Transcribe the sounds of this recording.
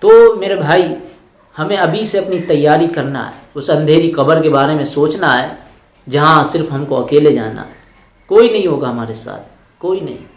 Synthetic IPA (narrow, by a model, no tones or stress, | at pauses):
t̪oːmeːɾebʱaːi | hɐmẽɐbʱiseɐpnit̪ɐjːaːɾikɐɾna̰ɦɛ̰ʊsɐ̃nd̪ʱeːɾixɐbəɾkebaːɾemẽsoːt͡ʃnaɦɛː | d͡ʒɐɦãsɪɾfɦɐmkoɐkeːled͡ʒa̰ːna̰ɦɛ | koːinɐɦĩɦoːɡaɦɐmaːɾesa̰ːt̪̚ʰ | koːinɐ̰ɦḭ̃